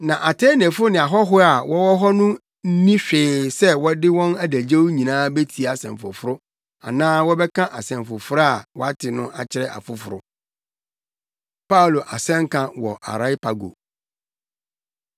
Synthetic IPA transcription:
nã˨ʔa˨tʰɛ˦n˨ɛ̃˨fʊ˦ɾʊ˦nɪ̃˨a˨ɦɔ˦ɦʊ˦a˨wɔ˦wɔ˦ɦɔ˦nʊ̃˦ | n̩˦nĩ˦ɕᶣɪː˨sɛ˦wɔ˦dɪ˦wɔ̃˦næ˦dæ˨d͡ʑe˦wu˦ɲĩ˨nãː˦be˦tʰi˨a˨sɛ̰̃˨m˨fʊ̰˨fʊ˦ɾʊ˦ | a̰˨nãː˦wɔ˦bɛ˦kʰã˦ʔa˨sɛ̃˨mfʊ˨fʊ˦ɾa˨wɔ˦a˦tʰɪ˨nʊ̃˦ʔa˨t͡ɕʰɪ˦ɾɛ˨ʔa̰˨fʊ˨fʊ˨ɾʊ̰˦ | pa˦˨lo˨ʔa˨sɛ̃˦ŋ˦kʰã˦wɔ̰˨ʔa̰˨ɾa˦ɪ˦pʰa˨ɡo̰˨

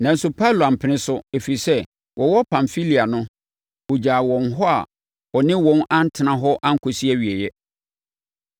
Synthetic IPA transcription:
nã˨n˦sʊ˦pʰa˦lo˨a˨m̩˨pʰɪ˨nɪ̃˦sʊ˦e˨fi˨i˨sɛ˦ | wʔɔ˨wɔ˦pʰã˨mfi˦li˨a˨nʊ̃˦ | wo˨d͡ʑaː˨wɔ̃˨nɦɔ˦a̰˨ | ɔ˨nɪ̃˦wɔ̃˨˦nã˦n̩˦tʰɪ˨nã˨ɦɔ˦ʔa˦ŋ̩˦kʰʊ˨si˦ɛ˦ɥi˨e˨jɛ˦

